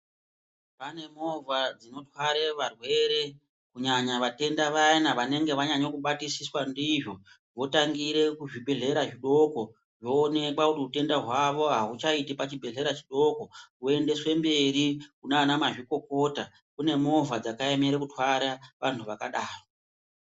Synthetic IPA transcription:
pane̞mo̞vʱad͡zino̞twaɾeʋarwe̞ɾe̞ | kuɲaɲaʋate̞ndaʋainaʋane̞ŋɡe̞ʋaɲaɲo̞kuɓatisiswandiʐo̞ | ʋo̞taŋɡiɾe̞kuʐibʱe̞ɮe̞ɾaʐiɗo̞ko̞ | ʐo̞ːne̞kwakutiute̞ndaɦwaʋo̞ɦaɦut͡ʃaitipat͡ʃibʱe̞ɮe̞ɾat͡ʃi̥ɗo̞ko̞ue̞nde̞swe̞mbe̞ɾikunaːnamaʐiko̞ko̞ta | kune̞mo̞vad͡zakaemeɾekutwaɾaʋantʰuʋakaɗaːro

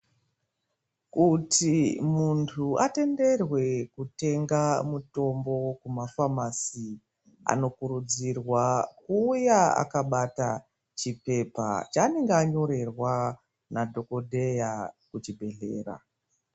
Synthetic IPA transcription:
kutimuntʰuate̞nde̞rwe̞kute̞ŋɡamuto̞mbo̞kumafamasi | a̰no̞kuɾud͡zirwakuːjaa̰kaɓata | t͡ʃipe̞pa̰t͡ʃaːneŋɡeaɲo̞ɾe̞rwa | nadʱo̞ko̞dʱe̞jakut͡ʃibʱe̞ɮe̞̰ːra̰

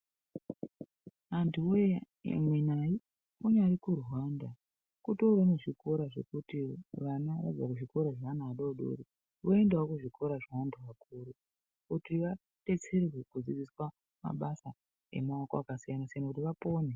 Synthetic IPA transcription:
antʰuo | ḛmwenaji | uɲaɾikurwanda | kutoraneʐiko̞ɾaʐe̞̰kutiʋanaʋa̰d͡zakuʐiko̞ɾaʐanaːɗoɗo̰ɾi | ʋoendewakuʐikʰo̞ɾaʐawandʰuʋakuɾu | kutiʋa | te̞t͡se̞rrwekud͡zid͡ziswa | ma̰ɓasa | ḛmaoko̰akasijanasijanakutiʋapo̞ːne

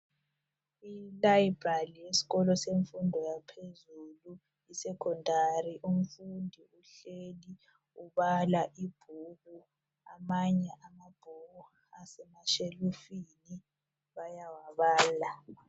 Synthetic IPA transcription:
ilaib̥ʱalijesi̥ɣɔlɔseɱfundʱɔjapʰezulu | isɛkʰɔndʱariʔum̩fundʱiuɬeli | uβalaʔib̥ʱuɣu | amaɲɛʔamab̥ʱuɣu | asɛmaʃelufini | βajawaβaːla

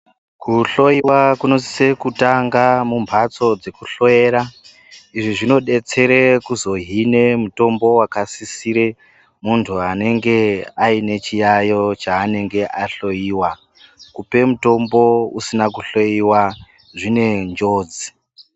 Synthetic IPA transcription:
kuɬo̞jiwakuno̞si̥se̞kutaŋɡamumbʱat͡so̞d͡ze̞kuɬo̞e̞ːɾa | iʐiʐino̞ɗe̞t͡se̞ɾekuzoɦine̞muto̞mbo̞wakasisiɾe̞ | muntʰuane̞ŋɡe̞aine̞t͡ʃijajo̞t͡ʃaːne̞ŋɡe̞ʔaɬo̞jiːwa | kupe̞muto̞mbo̞usinakuɬo̞jiwa | ʐine̞nd͡ʒo̞ːd͡zi

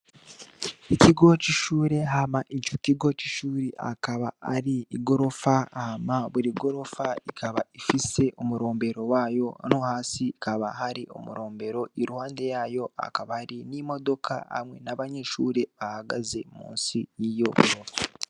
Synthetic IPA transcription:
iciɡo̞ciʃuːɾe̞ɦamaʔicociɡo̞ciʃuːɾiʔa̰kaβaa̰ɾiːɡo̞ɾo̞fahamaβuɾiɡo̞ɾo̞faikʰaβaifise̞ʔomuɾo̞ːmbe̞ɾo̞waːjo̞nohaːsiːkʰaβa̰haɾiʔo̰muɾo̞ːmbe̞ɾo̞iɾuhaːnde̞jaːjoa̰kaβahaɾinimo̞do̞kʰa̰ha̰mŋe̞̰naβaɲeʃuːɾe̞βahaɡazemṵːnsijijo̞muɾomo

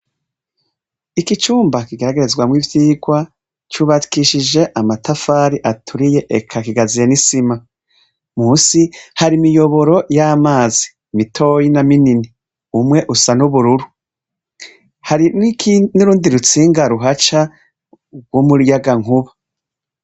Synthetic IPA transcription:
ikit͡ʃuːmbakiɡeɾaɡe̞ɾe̞zɡwamwivjiːɡwa | t͡ʃuβakiʃid͡ʒe̞ʔamatafaːɾiʔatʰuɾije̞ʔekʰakiɡazije̞nisima | muːsihaɾimijo̞βo̞ɾo̞jaːmaːzi | mitʰo̞ːjinaminini | umŋe̞ʔusanuβuɾuɾu | haɾiniɾuːndiɾut͡siːŋɡaɾuɦat͡ʃa | ɡwomuɾjaɡaŋuβa

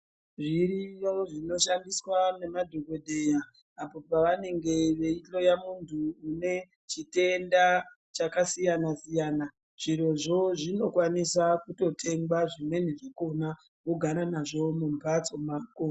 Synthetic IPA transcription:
ʐirijoʐino̞ʃandiswane̞madʱoɡo̞ɗe̞jaː | po̞paʋane̞ŋɡe̞ʋe̞ilo̞jamuntʰuːne̞ | t͡ʃite̞nda | t͡ʃakasijanasijaːna | ʐ̥iɾo̞ʐo̞ʐino̞kwanisakuto̞tʰe̞ŋɡaʐimwe̞neʐeko̞na | oɡʱaɾanaʐo̞mumbat͡so̞makoː

